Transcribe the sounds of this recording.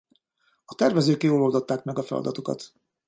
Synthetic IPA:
ɒt̪ɛrvɛzøːkjoːlold̪ot̪ːaːkmɛɡɒfɛlɒ̰d̪ɒt̪okɒ̰t̪

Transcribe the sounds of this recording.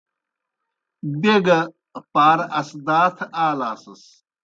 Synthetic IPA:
beɡɐ | paːɾɐsd̪aːt̪ʰaːlaːsɐs

